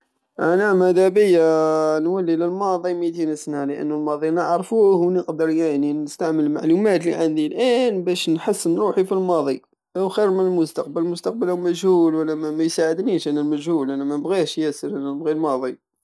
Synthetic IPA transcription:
ʔænæmæd̪æbəjːanwælːiləlmɑd̪ˤimit̪̬insnæləʔə̰nːulmɑd̪ˤinəʕɾˤfuhwnəqd̪əɾˤjaʕninəst̪aʕməlma̰ʕlumæt̪lḭʕənd̪ilʔænbæʃnħəsːənɾuħifilmɑðˤi | ʔæwxiɾmənəlmʊst̪ɑq̚bəlmʊst̪ɑq̚bəlhwmæʒhulwəlːæmæmæjsaʕəd̪niʃʔænəlmæʒhulælæmænəbɣihʃjæsəɾænænəbɣilmɑd̪ˤi

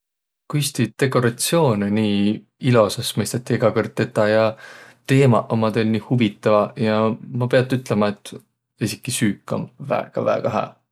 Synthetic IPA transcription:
kujst̪id̪̥e̞kːˑo̞ɾɑt̪sio̞ːneniː | ilo̞sɑsmɤjst̪ɑt̪ʲːˑieɡ̥ɑkort̪ˑːet̪ːˑɑjɑt̪e̞ːmɑ̰ʔomɑd̪olʲniːhuvit̪ːˑɑvɑjɑmɑpe̞ɑt̪ːˑyt̪ˑlemɑe̞t̪ːˑ | esʲikːˑisyːkˑːo̰nvæ̰eɡ̥ɑvæ̰ɡ̥ɑɦæ̰ː

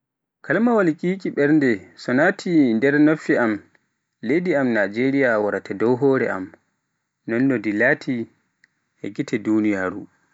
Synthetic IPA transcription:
kalmawalkʼiːkiɓɛɾndɛsɔnaːtʰindɛɾnofːiam | lediamnad͡ʒeɾijawaɾatʰɛdɔwɦɔːɾɛ̰ʔa̰m | nɔndɔdilaːtʰi | ʔɛ̰ɡitɛdunijaːɾṵ

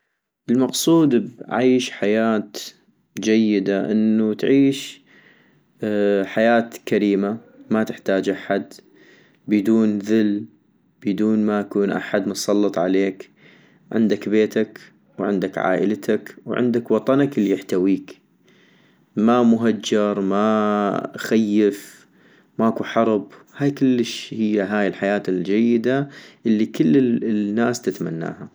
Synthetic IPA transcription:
ʔɪlmɑqsˤuːd̪bʕaːʃħajaːt̪ | d͡ʒajːɪd̪aʔɪnːut̪ʕiːʃ | ħajaːt̪kaɾiːma | mat̪ɪħt̪aːd͡ʒʔaħad̪ | bɪd̪uːnðɪl | b̥ɪd̪uːnmaʔakuːnʔa̰ħad̪masˤɑlːɨt̪ˤʕa̰leːk | ʕɪ̰nd̪akbeːt̪ak | wʕɪ̰nd̪akʕa̰ːʔɪlt̪ʰakwʕɪ̰nd̪akwɑt̪ˤɑnaklːijɪħt̪awiːk | mamʊɦad͡ʒːɑɾˤma | xajːɪf | maʔkuħɑɾˤb | haːjkɪlːɪʃhɪjːaɦaːjɪlħajaːt̪ɪld͡ʒajːɪd̪aʔɪlːikɪlːnːaːst̪ɪt̪ma̰nːa̰ːha

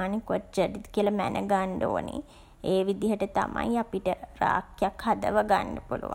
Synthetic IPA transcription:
aːnikot͡ʃəɖit̪kiələmænʔəɡaɳɖo̰ːnḭ | eːʋid̪iɦəʈət̪a̰ma̰japiʈəɾaːkjakhad̪əʋəɡaɳɖəpulṵʋa

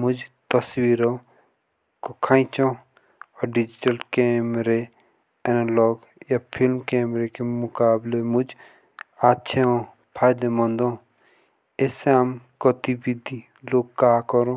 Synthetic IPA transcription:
mʊd͡ʒt̪əswiːɾo | kokʰaːĩt͡ʃɔ̃ | ɔɾɖɪd͡ʒɪʈəlkeːmɾe | ɛnalɔːɡ | japʰɪlmkeːmɾekemʊkaːblemʊd͡ʒ | at͡ʃʰeõ | pʰaːjd̪emɔ̃nd̪õː | eseamkɔt̪ibid̪ʱi | loːɡ̚kaːkɔɾõ

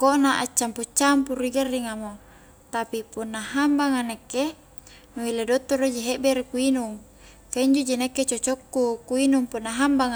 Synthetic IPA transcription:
koʔnaʔat͡ʃːamput͡ʃːampurːiɡarːiŋamo | t̪apipunːaɦambaŋanekːe | nuiledot̪ːorod͡ʒiɦeʔbeɾekuinuŋ | kaiɲd͡ʒod͡ʒinekːet͡ʃot͡ʃokːukuinuŋpunːaɦambaŋa

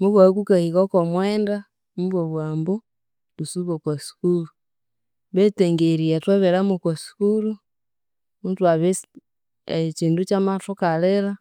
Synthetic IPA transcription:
muβwakukahiɣokomwɛːnda | muβwoβwaːmbo | tusuβokwasi̥kulu | βeteŋɡeɾiatwaβeɾamukwasi̥kulu | mutwaβe | et͡ʃiːndut͡ʃamatukaleɾa

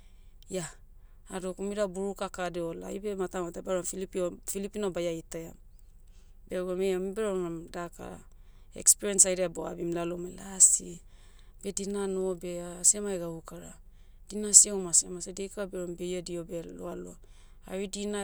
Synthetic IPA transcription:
jaː | dokumiɾabuɾukakadeola̰jbe̞matamatabaɾomfilipiofilipinobajajtaa | beɡomejamibeɾoomdaka̰ | ḛkspiɾiensajɾeaboa̰bimlalomajlasi | b̥e̞dinanobe̞asemaeɡaukaɾa̰ | d̥inasiewmasḛmasedejkaabeɾombejadio̞beloalo | a̰βidina

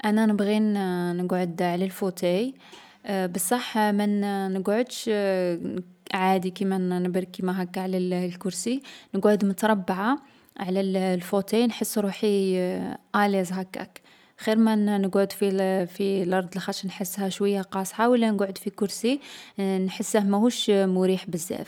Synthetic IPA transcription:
ʔænænəbɣinnəɡʕod̪ʕlælfot̪ej | bəsˤːɑħmænnəɡʕʊd̪ʃ | ʕad̪ikimænəbəɾkimæɦækːaʕlælkʊɾsinəɡʕʊd̪mʊt̪ɑɾˤɑbːʕa | ʕlællfot̪ejnħəsːɾuħi | ʔælezˤɦækːæ̰k | xiɾmænəɡʕʊd̪fifilʔɑɾˤd̪ˤlxæʃnħəsːhæʃwəjːaqɑsˤħawəlːænəɡʕəd̪fikʊɾsinħəsːæhmæhuʃmʊɾiħbəzːæ̰f

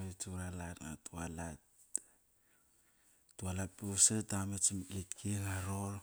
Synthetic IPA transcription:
et͡ʃuɾalatŋa̰tualat | tualat̚pusedamet͡ʃmlitkʰiŋaɾoɾ

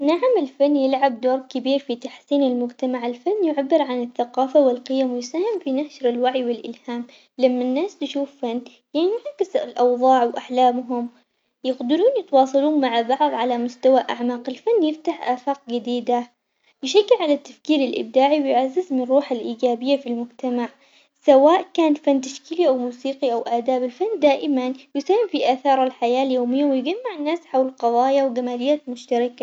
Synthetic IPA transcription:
naʕmɪlfanːjɪlʕab̚d̪oːɾˤkɪbiːɾfit̪aħsiːnalmʊɡt̪amaʕɪlfanːjɪʕabːɪɾʕanɪθːaqɑːfawɪlqɪjamwɪjsaːhɪmfinahʃɾɪlwaʕjwɪlʔɪ̰lhaːm | lamːanːaːst̪ɪʃuːfːanː | jɪnʕakɪsɪlʔɑwðˤɑːʕwʔaħlaːmɦʊm | jɪqd̪ɪɾuːnjɪt̪wɑːsˤɑluːnmaʕabɑʕðˤʕalamʊst̪awaʔa̰ʕmaːqɪlfanːjɪft̪aħʔaːfaːq̚ɡɪd̪iːd̪a | jɪʃaɡːɪlʕalat̪ːafkiːɾalʔɪ̰b̚d̪aːʕiwjʕazːɪzmɪnɑrˤːuːħalʔiːɡaːbɪjːafilmʊɡt̪amaʕ | sawaːʔkaːnfanːt̪̬aʃkiːliʔawmuːsiːqiʔawʔaːd̪aːbɪlfanːd̪aːʔɪmanjɪsahɪmfiʔaːθɑːɾˤalħajaːljoːmɪjːawɪjɡamːaʕɪnːaːsħawlɪlqɑðˤɑːjawɡamaːlɪjːaːt̪mʊʃt̪ɑɾɪka

